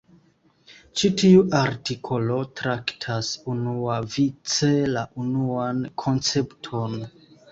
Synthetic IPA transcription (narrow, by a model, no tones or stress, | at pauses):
t͡ʃitiuʔaɾtikʰo̞lo̞tɾaktʰasunuavit͡se̞laʔunuankʰo̞nt͡se̞ptʰo̞n